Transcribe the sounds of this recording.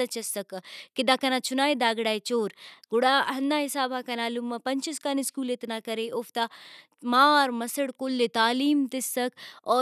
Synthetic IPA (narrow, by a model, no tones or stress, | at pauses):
ɐt͡ʃɐsɐkkid̪aːkɐnat͡ʃʰunaːid̪aːɡɽaːjt͡ʃoːɾɡʊɽaːɦɐnːaːɦisaːbʱakɐnaːlumːɐpɐɲt͡ʃɐskaniskuːlet̪nakɐɾeʔoft̪a | maːɾmɐsɐɽkolːet̪aːliːmt̪ɪsːɐkɔː